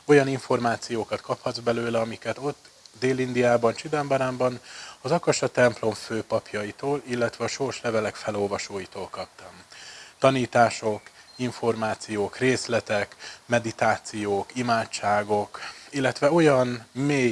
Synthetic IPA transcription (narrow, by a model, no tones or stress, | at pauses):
o̞jɒniɱfo̞rmaːt̪sijoːkɒt̪kʰɒphɒd̪zbɛløːlɛɒmikɛt̪o̞t̪ː | d̪eːlind̪ijaːbɒnt͡ʃid̪ɛmbɒɾaːmbɒnɒzɒkɒʃɒt̪ɛmplo̞mføːpɒpjɒjit̪oːlilːɛt̪ʋɛɒʃo̞rʃlɛvɛlɛkfɛlo̞lvɒʃoːjit̪oːlkɒpt̪ɒmt̪ɒniːt̪aːʃo̞kiɱfo̞rmaːt̪sijoːkreːslɛt̪ɛkmɛd̪it̪aːt̪sijoːkimaːt͡ʃt͡ʃaːɡo̞kilːɛt̪ʋɛo̞jɒnmeːj